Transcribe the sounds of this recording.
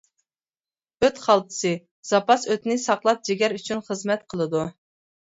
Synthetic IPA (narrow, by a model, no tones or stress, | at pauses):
øt̪χɑlˠt̪ʰɨ̥sɨ | z̥ɑpɑsøt̪nɪsɑqlˠɑp̚d͡ʒeɡʲɛɾyt͡ʃʰynχəzmɛt̪qʰəlˠɨd̪u